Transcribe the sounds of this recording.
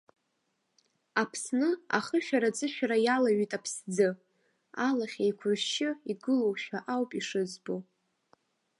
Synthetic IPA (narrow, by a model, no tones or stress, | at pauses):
apʰsnɨa̰χəʃᶣaɾad͡zʼɨʃᶣaɾajalaɥitʼapʰsd͡zɨ | alaχʲajkʷʰʊʃʃɪiɡɨlowʃᶣaʔawpʼiʂɨzbo